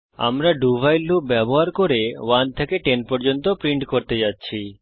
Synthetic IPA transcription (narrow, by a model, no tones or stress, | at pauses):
a̰mɾaɖubʱajlːuk̚bɛboɦaɾkoɾewant̪ʰekeʈenpɔɾd͡ʑont̪opɾiɳʈkoɾt̪ed͡ʑatːɕʰi